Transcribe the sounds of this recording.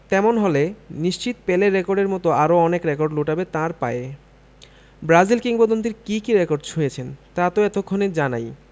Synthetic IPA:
t̪ɛmonɦoleniʃt͡ɕit̪peleɾːekoɾɖeɾmɔt̪oaɾoɔnekɾekoɾɖloʈabet̪ãɾpa̰e | bɾazilkiŋpod̪ont̪iɾkikiɾekoɾɖt͡ɕʰujet͡ɕʰent̪at̪oɛt̪okʰːoneɾd͡ʑana̰j

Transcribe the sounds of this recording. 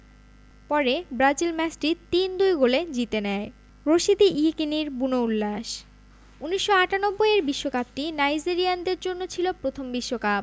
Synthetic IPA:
pɔɾebɾad͡ʑilmɛsʈit̪ːind̪ujɡoled͡ʑit̪enɛe | ɾoʃid̪iʔikiniɾbunoulːaʃ | uniʃːoaʈanobːojeɾbiʃːokap̚ʈinajd͡ʑiɾiand̪eɾd͡ʑonːot͡ɕʰilopɾot̪ʰombiʃːokap̚

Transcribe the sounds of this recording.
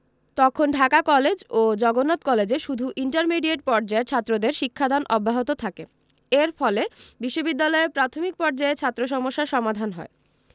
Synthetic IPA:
t̪ɔkʰonɖʱakakɔled͡ʑod͡ʑɔɡonot̪kɔled͡ʑeʃud̪ʱuʔiɳʈaɾmiɖieʈ̚pɔɾd͡ʑaeɾt͡ɕʰat̪ːɾod̪eɾʃikʰːad̪anʔɔbʱːaɦot̪ot̪ʰake | eɾfɔlebiʃːobid̪ːalɔeɾpɾat̪ʰomik̚pɔɾd͡ʑaeɾt͡ɕʰat̪ːɾoʃ̬ɔmoʃːaɾʃɔmad̪ʱanɦɔ̰e

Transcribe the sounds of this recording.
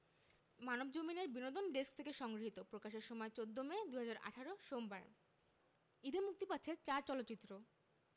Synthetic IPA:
manobd͡ʑomineɾbinod̪onɖesk̚t̪ʰekeʃɔŋɡɾoɦit̪opɾokaʃeɾʃɔmɔet͡ɕod̪ʱːomed̪uɦad͡ʑaɾa̰ʈʰaɾoʃombaɾ | id̪emuk̚t̪ipat̪ːɕʰet͡ɕaɾt͡ɕɔlotːt͡ɕit̪ːɾo

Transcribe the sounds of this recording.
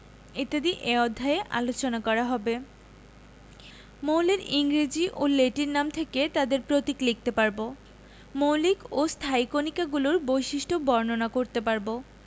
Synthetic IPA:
et̪ed̪iʔeɔd̪ʱːaeʔa̰lot͡ɕonakɔɾaɦɔbe | mowleɾiŋɾid͡ʑiʔoleʈiɾnamt̪ʰeket̪ad̪eɾpɾot̪iklik̚t̪epaɾbo | mowlikost̪ʰajkonikaɡuloɾbojʃiʃʈʰobɔɾnonakoɾt̪epaɾbo

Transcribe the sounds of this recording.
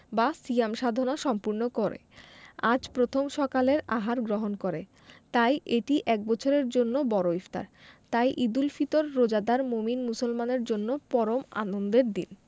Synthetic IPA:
basiamʃad̪ʱonaʃɔmpuɾnokoɾḛad͡ʑpɾot̪ʰomʃɔkaleɾaɦaɾɡɾoɦonkoɾe | t̪ajʔeʈiʔɛk̚bɔt͡ɕʰoɾeɾd͡ʑonːobɔɾoift̪a̰ɾt̪ajʔid̪ulfit̪oɾːod͡ʑad̪aɾmominmusolmaneɾd͡ʑonːopɔɾoma̰nond̪eɾd̪ḭn

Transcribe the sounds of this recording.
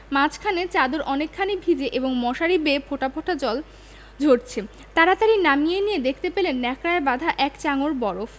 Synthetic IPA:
mãt͡ɕʰkʰanet͡ɕad̪oɾʔɔnekʰːanibʱid͡ʑeʔeboŋmɔʃaɾibepʰoʈapʰoʈʰad͡ʑɔl | d͡ʑʱoʈt͡ɕʰe | t̪aɾat̪aɾinamijenijed̪ekʰt̪epelenːɛkɾaebad̪ʱaʔɛkt͡ɕaŋoɾbɔɾof

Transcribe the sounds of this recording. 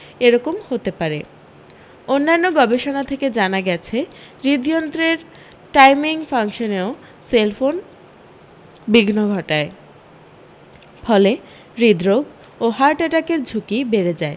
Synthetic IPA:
eɾɔkomhot̪epaɾe | onːanːoɡɔbeʃonat̪ʰeked͡ʑanaɡɛt͡ɕʰe | ɾid̪ijont̪ɾeɾ | ʈajmiŋfaŋʃoneo | selfon | biɡnoɡʱɔʈae | fɔle | ɾid̪ɾoɡ | oɦaɾʈeʈakeɾd͡ʑʱukibeɾed͡ʑae

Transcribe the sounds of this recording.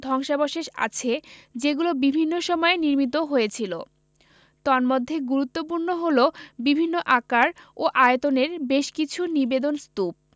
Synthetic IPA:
d̪ʱɔŋʃaboʃeʃa̰t͡ɕʰed͡ʑeɡulobibʱinːoʃɔmɔeniɾmit̪̬oɦojet͡ɕʰilo | t̪ɔɾmod̪ʱːeɡuɾut̪ːop̬uɾnoɦolobibʱinːoʔakaɾoʔajet̪oneɾbeʃkit͡ɕʰunibed̪onst̪up̚

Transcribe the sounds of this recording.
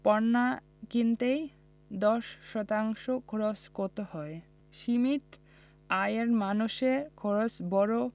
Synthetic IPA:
pɔnːa | kint̪ej | d̪ɔʃʃɔt̪aŋʃokʰoɾoskoɾt̪ehɔe | ʃimit̪ | ajeɾmanuʃeɾkʰoɾosbɔɾo

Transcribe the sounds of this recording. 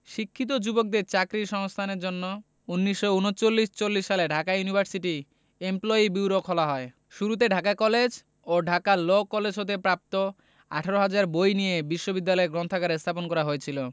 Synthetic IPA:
ʃikʰːit̪̬od͡ʑubok̚d̪eɾt͡ɕakɾiʃɔŋst̪ʰaneɾd͡ʑonːo | unːiʃːounot͡ɕolːiʃt͡ɕolːiʃːaleɖʱakajunibʱaɾsiʈi | emplɔibiwɾokʰɔlaɦɔe | ʃuɾut̪̬eɖʱakakɔled͡ʑ | oɖʱakalokːɔled͡ʑʱɦot̪̬epɾap̚t̪o | a̰ʈʰaɾoɦad͡ʑaɾbojnijebiʃːobid̪ːalɔeɡɾɔnt̪ʰakaɾest̪ʰaponkɔɾaɦoet͡ɕʰilo

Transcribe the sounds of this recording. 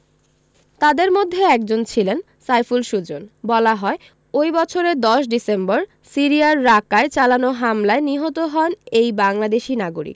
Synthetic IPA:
t̪ad̪eɾmod̪ʱːeɛk̚d͡ʑont͡ɕʰilen | sajfulʃud͡ʑonbɔlaɦɔe | ojbɔt͡ɕʰoɾed̪ɔʃɖisemboɾ | siɾiaɾːakaet͡ɕalanoɦamlaeniɦot̪oɦɔnejbaŋlad̪eʃinaɡoɾḭk̚

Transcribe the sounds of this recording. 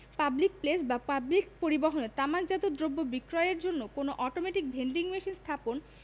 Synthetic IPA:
pablik̚plesbapablik̚poɾiboɦoneɾt̪amakd͡ʑat̪od̪ɾobːobikɾɔeeɾd͡ʑonːokonoʔɔʈomeʈik̚bʱenɖiŋmeʃinst̪ʰapon

